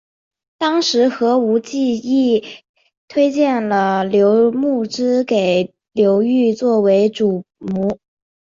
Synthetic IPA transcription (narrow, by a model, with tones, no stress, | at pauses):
t̪ɑ˥ŋʂɻ̩˧˥xɤ˧˥u˧˥t͡ɕi˥˧i˥˩ | t̪ʰwe˥ɪt͡ɕjɛ˥˩nlə˩ljo˧˥ʊmu˥˩ʈ͡ʂɻ̩˥ke˨˩ɪ | ljo˧˥ʊy˥˧t͡swɔ˥˩we˧˥ɪʈ͡ʂu˨˩mu˧˥